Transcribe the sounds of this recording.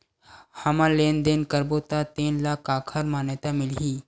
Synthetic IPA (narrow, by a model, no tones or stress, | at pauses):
hɐmaleːnd̪enkəɾbot̪at̪eːnlaːkʰaːkʰəɾmaːnet̪amɪlɦiː